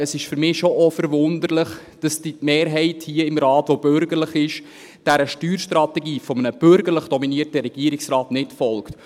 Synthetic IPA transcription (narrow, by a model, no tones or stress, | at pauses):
əsɪʃfʏɾmɪːʃoʔɔfəɾʋʊnd̪əɾləχ | d̥ɑsd̥imeːɾɦɛɪthiəɪmɾɑːtʋob̥øɾɡəɾləχɪʃ | d̥æɾəʃtyːɾʃtɾɑtɛɡiːfɔmənəb̥ʏɾɡəɾləχd̥ɔminiəɾtəɾɛɡ̥iəɾɪksɾɑːtnɪtfɔlkt